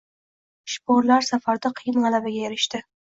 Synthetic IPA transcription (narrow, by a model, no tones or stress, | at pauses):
ʃpɒɾlaɾsafaɾd̪aqʰɨjɪnʁɑlabaɡʲajeɾɪʃt̪ɪ